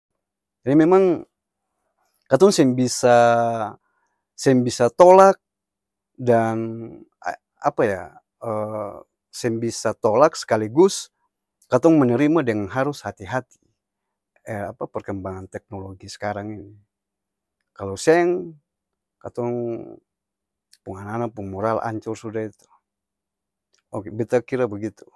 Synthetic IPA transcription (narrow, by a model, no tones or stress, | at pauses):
d͡ʒadimemaŋ | kat̪ɔŋsɛŋbisa | sɛŋbisat̪olak̚ | dan̰ | a̰paja̰ | ə | sɛŋbisat̪olaksə̥kaliɡʊs | kat̪ɔŋmənəɾimadəŋanɦaɾʊshat̪iɦat̪i̥ | əapapərkəmbaŋant̪ɛk̚noloɡisə̥kaɾaŋini | kalosɛŋ | kat̪ɔŋ | puŋananapuŋmoɾalʔa̰ɲt͡ʃʊrsudait̪u̥ | okbit̪akiɾabəɡit̪u̥